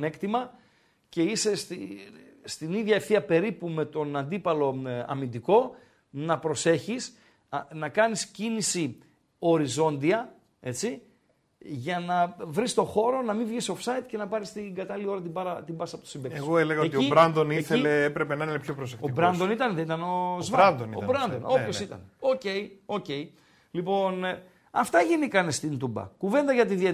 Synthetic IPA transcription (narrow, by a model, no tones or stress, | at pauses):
ne̞kt̪imɐ | ce̞ise̞st̪ist̪iniðʝɐefθiɐpe̞ɾipume̞t̪o̞nɐnd̪ipɐlo̞ɐ̰mind̪iko̞ | nɐpɾo̞se̞çis | nɐkɐniscinisi | o̞ɾizo̞nd̪iɐ | e̞t͡si | ʝɐnɐvɾist̪o̞xo̞ɾo̞nɐmivʝisofsɐit̪ce̞nɐpɐɾist̪iŋɡɐt̪ɐliio̞ɾɐt̪ibɐɾɐt̪ibɐsɐpot̪osimbeeɣoeleɣɐoeioiɾɐnd̪oniθeileepɾepenɐineepçopɾosektoibɾɐnd̪o̞nit̪ɐnðenit̪ɐno̞zvɐnd̪oniobɾɐnd̪ono̞pço̞ssit̪ɐ̰neo̞ce̞io̞ce̞i | lipo̞n | ɐft̪ɐʝinikɐnest̪int̪ubɐ̰kuve̞nd̪ɐʝɐt̪iðiɐ